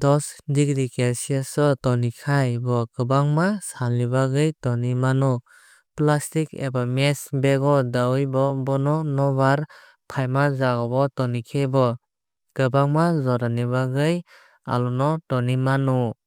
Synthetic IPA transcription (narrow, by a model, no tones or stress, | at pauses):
d̥ɔsdiɡɾikesiasɔtɔnikʰajbɔɡɯbaŋmasalnibaɡɯjtɔnimanu | plastikḛbamesbeɡɔdajbɔbɔnɔnɔbaɾ | pʰajmazaɡɔbɔtɔnikʰejbɔ | kɯbaŋmazɔɾaniβaɡɯj | a̰lɔnɔtɔnimanu